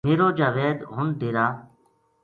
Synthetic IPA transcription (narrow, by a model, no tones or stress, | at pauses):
meːɾoːd͡ʒaːʋeːd̪ɦʊnd̪eːɾaː